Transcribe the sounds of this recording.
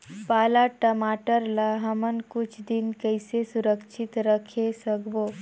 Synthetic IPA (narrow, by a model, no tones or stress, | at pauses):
paːlaʈəmaːʈəɾlaɦəmənkʊt͡ʃʰd̪ɪnkəɪsesʊɾəkʃʰɪt̪ɾəkʰesəkbo